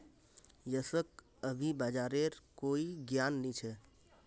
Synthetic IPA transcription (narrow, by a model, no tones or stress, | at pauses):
jəsək̚ | əbʱibad͡ʒaɾeɾkoiɡjanːit͡ʃʰɛ